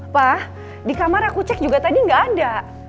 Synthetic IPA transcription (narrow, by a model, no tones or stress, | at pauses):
pah | dikamaɾakut͡ʃɛk̚d͡ʒuɡat̪adiŋɡaʔːda